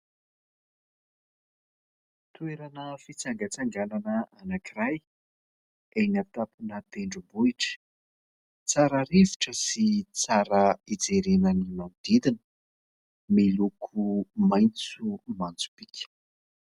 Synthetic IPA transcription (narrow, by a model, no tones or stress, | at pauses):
t̪ueɾanəfit͡saŋɡət͡saŋɡalanəanakiraj | ejnat̪apunət̪eɳɖ͡ʐubuiʈ͡ʂə̥ | t͡saɾəɾiviʈ͡ʂəsit͡saɾəid͡zeɾenənimand̪id̪inə̥ | melukʰumajnt͡sumant͡su̥pikʰʲə̥